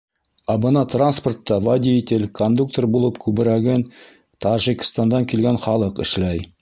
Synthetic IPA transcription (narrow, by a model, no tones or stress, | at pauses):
ɑbɤ̆nɑt̪ransport̪ːɑvadʲitʲelkond̪uk̚t̪orbulˠɤpkʰʉbɘ̆ɾæɡɘn | t̪ɑʒikst̪ɑnd̪ɑŋkilɡænχɑlˠɤqɘ̰̆ʃlæj